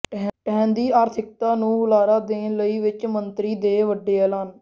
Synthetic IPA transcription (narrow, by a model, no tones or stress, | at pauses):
ʈɛːnd̪iːaːɾt̪ʰɪk̚t̪aːnũːʊlaːɾaːd̪ẽːləiːʋɪt͡ʃmənt̪ɾiːd̪eːʋəɖːeːəlaːn